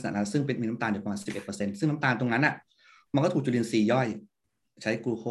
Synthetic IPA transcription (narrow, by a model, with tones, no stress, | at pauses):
sna̰˧˩lɛː˦˥wsɯ˥˩ŋp̬e˧nmiː˧na˦˥mt̪aː˧ndpa˧mːaː˧si˨˩p̚ʔe˨˩t̪̚pːse˧nsɯ˥˩ŋna˦˥mt̪aː˧nt̪o˧ŋna˦˥nʔa˨˩ | ma˧nkɔ˥˩u˨˩kt͡ɕu˨˩li˧nsiː˨˩jɔ˥˩j | t͡ɕʰa˦˥jkuː˧kʰoː˥˩